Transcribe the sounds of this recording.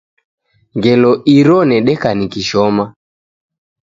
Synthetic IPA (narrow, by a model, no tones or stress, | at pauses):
ŋɡɛlɔʔiɾɔnɛɗɛkanikiʃɔma